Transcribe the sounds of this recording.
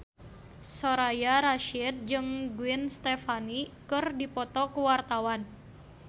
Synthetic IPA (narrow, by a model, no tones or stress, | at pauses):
soɾajaɾaʃɪt̪̚d͡ʒɨŋɡuɪnst̪ɛfanikɨrdipɔt̪ɔkuwart̪awan